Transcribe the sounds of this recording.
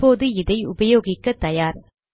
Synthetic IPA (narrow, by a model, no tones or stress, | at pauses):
oːðɯɪðɐɪʊbɐjoːɣɪkːɐt̪ːɐjaːɾ